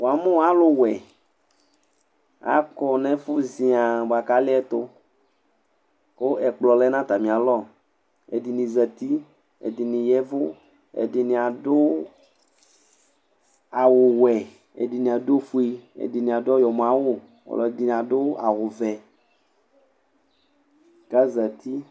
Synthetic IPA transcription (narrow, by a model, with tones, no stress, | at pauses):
wo˨a˨mẽ˦wa˦lo˦wɛ˨ | a̰˦kɔ˦nɛ̃˦fʊ˦zi˨a˨ba˨ka˦lɪ˦ɛ˦t̪o˦ | ko˦ʔɛ˨k͡plɔ˨lɛ˦nã˦t̪a˨mĩ˨a˨lɔ˦˨ | ḛ˨di˨nĩ˨zɛ˨t̪i˦ | ḛ˨di˨nĩ˨jɛ˦vʊ˦ | ḛ˨di˨nĩ˨a˨dʊ˦ | a˨wʊ˨wɛ˨ | ḛ˨di˨nĩ˨a˨do˦fu˦i˦ḛ˨di˨nĩ˨a˨djɔ˨m˨ã˨˦wo˦ | ɔ̰˨lɔ˨e˨di˨nĩ˨a˨dʊ˦a˨ɣʊ˨vɛ˨ | ka˦zə˨t̪i˦